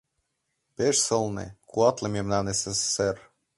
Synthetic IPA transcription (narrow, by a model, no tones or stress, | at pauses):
peʃsɤ̆lˠnḛkuɑt̪lˠĕmʲemnɑnesese̥ser